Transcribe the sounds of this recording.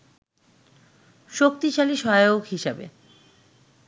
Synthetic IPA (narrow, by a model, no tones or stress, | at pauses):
ʃok̚t̪iʃaliʃɔoɡɦiʃabḛ